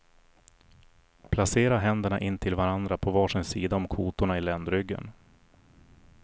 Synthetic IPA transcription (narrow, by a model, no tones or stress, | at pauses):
pʰlaseːɾaɦɛnd̪əɳaʔɪnːt̪ʰɪlvaɾand̪ɾapʰɔvɑːʂɪnsiːd̪aɔmkʰuːt̪ʊɳaɪlɛnd̪ɾʏɡːə̰n